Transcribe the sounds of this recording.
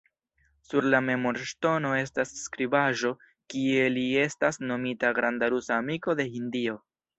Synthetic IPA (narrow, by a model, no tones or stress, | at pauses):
suɾlame̞mo̞ɾʃto̞no̞e̞s̬tasːkɾibaʒo̞ | kie̞lie̞stasno̞mitaɡɾandaɾusaːmiko̞de̞hindio̞